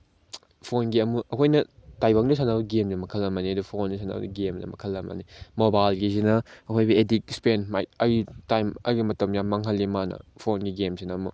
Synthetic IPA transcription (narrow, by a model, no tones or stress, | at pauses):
pʰonɡiɐmuʔɐkʰojnɐtajbɐŋdusʰanabɐɡemnɐmɐkʰɐlːɐmɐniɐdupʰondusʰana̰w̰ɡemnɐ̰mɐ̰kʰɐlːɐmɐ̰nimobajlɡizinɐɐkʰojbɐedik̚spenma̰jt̚ɐjɡitajmɐ̰jɡimɐtɐmjamːɐŋɦɐlːimanɐ̰pʰonɡiɡemsinɐːmu